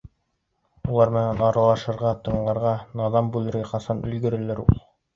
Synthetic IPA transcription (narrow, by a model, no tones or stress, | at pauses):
ulˠɑɾmɘ̆nænɑɾɑlˠɑʃɤ̆ɾʁɑt̪ɤ̆ɴlˠɑ̆ɾʁɑnɑðɑmbʉlˠɘ̆ɾɡæqɑsɑnɵ̆lɡɘ̆ɾɘ̆lɘɾṵlˠ